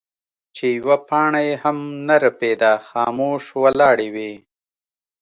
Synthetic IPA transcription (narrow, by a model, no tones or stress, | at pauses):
t͡ʃejwapɑːɳajehamnaɾəpeːd̪axɑːmoːʃwalɑːɽewe